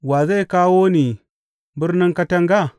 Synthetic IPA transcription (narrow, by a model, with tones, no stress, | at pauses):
wa˨za˦jkaː˦wo˦ni˨ | bɪ˦ɾnɪ˦ŋka˦tɐ˦ŋɡa˦˨